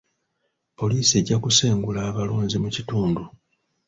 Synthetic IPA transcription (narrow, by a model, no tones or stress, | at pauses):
po̞liːsie̞ɟːakuseːŋɡulaːβaloːɲzimucituːndu